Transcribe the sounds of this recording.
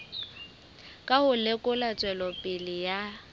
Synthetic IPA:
kʼahʊlekʼʊlat͡sʼwɛlɔpʼɪlɪja

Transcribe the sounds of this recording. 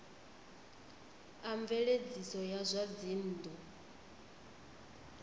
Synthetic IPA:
aɱvɛɺed͡zisɔjazʷad͡zin̩ːdɔ

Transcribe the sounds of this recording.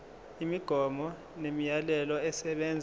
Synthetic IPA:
imiɡ̥ʱɔmɔ | nemijalɛlɔɛsɛɓɛnd͡zʱ

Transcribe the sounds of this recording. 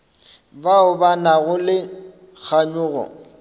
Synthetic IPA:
baʊbanaɣʊlɪ | k͡xʰaɲʊːɣɔ̰

